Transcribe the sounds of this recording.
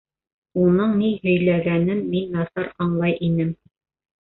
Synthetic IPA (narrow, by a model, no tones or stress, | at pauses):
unɤɴnihɵ̆jlæɡænɘnminːɑθɑɾɑɴlˠɑjʔinɘm